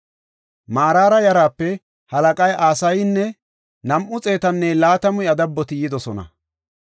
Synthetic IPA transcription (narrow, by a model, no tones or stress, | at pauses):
maːɾaːɾɐjɐɾaːpːɛ | hɐlɐkʼɐjʔaːsɐjnːɛ | nɐmʔʊt͡sʼe̞ːt̪ɐnːɛlaːt̪ɐmʊjɐd̪ɐbːɔt̪ɪjɪd̪ɔsɔnɐ̰